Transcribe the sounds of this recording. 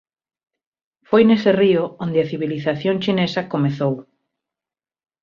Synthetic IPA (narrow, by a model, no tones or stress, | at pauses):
fojneseriʊond̪eɐθiβiliθaθjoŋt͡ʃinesɐkomeθow